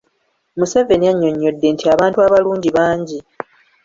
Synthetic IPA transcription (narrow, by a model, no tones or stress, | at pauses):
muse̞ːɱve̞nijaɲːo̞ɲːo̞dːe̞ntʰiaβaːntuaβaluːɲɟiβaːɲɟi